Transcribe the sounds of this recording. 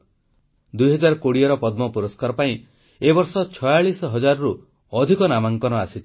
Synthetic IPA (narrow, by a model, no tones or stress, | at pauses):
d̪ujɦɔd͡ʒaɾkoɽiɔɾɔpɔd̪mɔpuɾɔskaɾɔpaĩ | ebɔɾsɔt͡ʃʰɔjaɭisɔɦɔd͡ʒaɾɔɾu | ɔd̪ʱikɔnamaŋkɔnɔasit͡ʃʰ